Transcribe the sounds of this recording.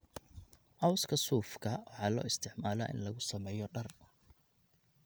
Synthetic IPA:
ʔɑwskʰɐsuːfkʰɐwɑħɑːlɔ̰ːɪst̪ʰɪʕmaːla̰ʔɪ̰nlɐɣʊsɐmɛːjɔɖɐr

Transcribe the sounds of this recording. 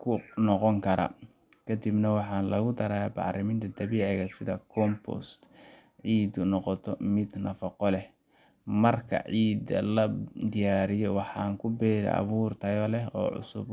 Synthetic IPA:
kʰʊnɔqɔŋkʰɐɾɐ̰ | kʰɐd̪ibnɐwɑħɑːnlɐɣʊd̪ɐɾaːbɑ̰ʕɾɪmɪnt̪ʰɐd̪ɐβiːʕɪɣɐsɪðɐkʰɔmpʰɔ̰st̪ | ʕiːd̪ʊnɔqɔt̪ʰɔmɪd̪nɐfɐqɔlɛ | mɐrkʰɐ̰ʕiːd̪ɐ̰lɐd̪ɪjaːɾɪjɔwɑħɑːŋkʰʊbɛːɾɐ̰ʔɐ̰βuːrt̪ʰɐjɔlɛɦɔ̰ːʕʊ̰sʊ̰b

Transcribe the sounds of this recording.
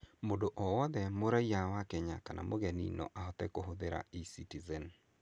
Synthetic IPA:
mondoʔɔwɔd̪ɛmoɾajawakɛɲakanʔa̰moɡɛnḭnɔ̰ʔaɦɔt̪ɛ̰kɔɦod̪eɾa̰isitizɛn

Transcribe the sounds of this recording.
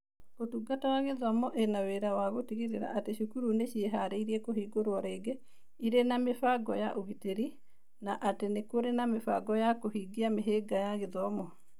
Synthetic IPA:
otuɡatawaɣeðɔmɔʔenaweɾawaɣotiɣeɾeɾa̰ʔateɕukuɾuneɕieɦaɾeiɾiekoɦiːɡoɾoɔɾeːɡe | iɾenamefaɡɔja̰ʔoɣiteɾi | naʔatenekoɾenamefa̰ɡɔjakohiɡiameɦeɡajaɣeðɔmɔ

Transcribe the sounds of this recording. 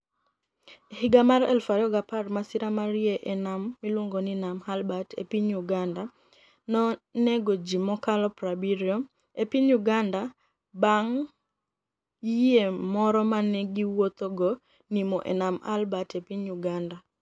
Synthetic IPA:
hɪɡamaɾɛ̰lfaɾjɔɡaparmasiɾamaɾjeʔɛnamːilwoŋɡoninamhalbatḛpiɲjuɡanda | nɔneɡod͡ʒimɔkalɔpɾabiɾjɔm | epiɲjuɡanda | baŋ | jemɔɾɔmanɛɡiwot̪oɡɔ | nimɔʔḛnama̰lbatepiɲjuɡanda

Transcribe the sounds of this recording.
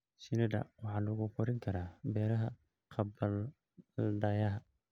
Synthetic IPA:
sɪnɛd̪ɐ̰wɑħɑːlʊɣʊqɔɾɪŋkʰɐɾaːbɛːɾɐɦɐ | qʰɑbɐl | ɖɐjɐɦɐ

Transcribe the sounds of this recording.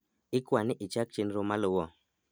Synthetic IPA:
ɪkwanɪʔɪt͡ʃak̚t͡ʃenɾomalʊwɔ

